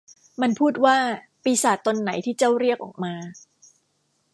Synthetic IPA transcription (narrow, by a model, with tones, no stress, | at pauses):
ma˧npʰuː˥˩t̪̚waː˥˩ | piː˧saː˨˩t̪ːo˧nːa˩˦jt̪ʰiː˥˩t͡ɕa˥˩wɾi˥˩ək̚ʔɔ̰ː˨˩k̚maː˧